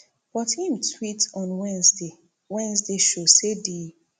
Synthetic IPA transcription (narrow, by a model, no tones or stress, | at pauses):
b̥ɔthĩm̩tʰwitɔ̃nwɛ̃nsde | wɛ̃nzdeʃosedi